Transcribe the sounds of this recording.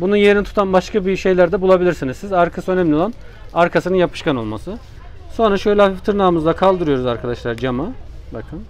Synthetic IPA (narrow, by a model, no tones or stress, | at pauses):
bununjeɾinit̪ʰu̥t̪ʰanbaʃkʰabiʃe̞jlʲæɾd̪ɛbulˠabilʲiɾsinizsizaɾkʰasɯønɛmlʲio̞lˠan | aɾkʰasɯnɯnjapʰɯ̥ʃkano̞lˠmasɯ | so̞nɾaʃø̞jlʲɛhafift̪ʰɯɾnaːmɯzd̪akʰalˠd̪ɯɾɯjo̞ɾuzaɾkʰad̪aʃlˠaɾd͡ʒamabakʰɯm